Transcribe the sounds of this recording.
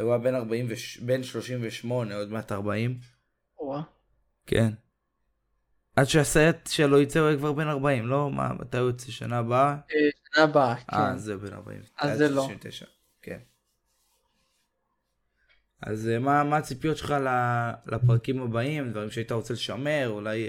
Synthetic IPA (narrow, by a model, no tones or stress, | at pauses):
ajuabe̞naʁbaimveʃbe̞nʃlo̞ʃimveʃmo̞neo̞dmeataʁbaim | a | kʰen | ʔadʃeasaatʃelojit͡seujakvaʁbe̞naʁbaimlo̞ma̰ma̰t̪ajot͡seʃa̰naːbaaʃanabaʔkaḛzebe̞na̰ʁba̰ḭmaeloivt̪ḛʃa̰ | kḛn | a̰zmamaːt͡sipijot̪ʃeχalalʔapʁakimabaimd̪vaʁimʃeaitaʁo̞t͡seleʃame̞ʁulaj